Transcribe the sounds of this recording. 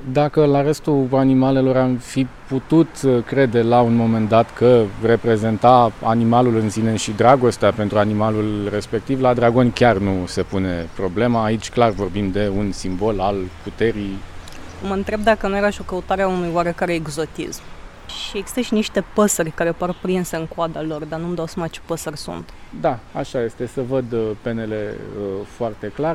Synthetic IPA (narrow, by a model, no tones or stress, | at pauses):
d̪akəlaɾe̞st̪uanimale̞lo̞ɾamfiput̪ut̪kɾe̞d̪e̞launmo̞me̞nd̪at̪kʰəre̞pɾe̞ze̞nt̪aanimalulɨnsine̞ʃid̪ɾaɡo̞st̪eape̞nt̪ɾuanimalulre̞spe̞k̚t̪ivlad̪ɾaɡo̞nʲkʲarnuse̞pune̞pɾo̞ble̞maːit͡ʃʲklarvo̞rbimd̪e̞unsimbo̞lalput̪e̞ɾij | məɨnt̪ɾe̞b̚d̪akənujeɾaʃio̞kəut̪aɾeaunujwaɾe̞kaɾe̞ːɡzo̞t̪ḭsm | ʃieɡzi̥st̪əʃiniʃt̪e̞pəsərʲkaɾe̞parpɾinse̞ɨŋkoad̪alo̞rd̪anuməd̪awsəmat͡ʃe̞̥pəsərʲsṵnt̪ | d̪aaʃaje̞st̪e̞səvəd̪pe̞ne̞le̞̰əfoart̪e̞klar